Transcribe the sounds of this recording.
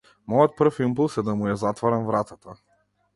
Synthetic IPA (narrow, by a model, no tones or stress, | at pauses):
mɔjɔt̪̚pr̩fimpulˠsɛd̪amujazat̪vaɾamvɾat̪at̪a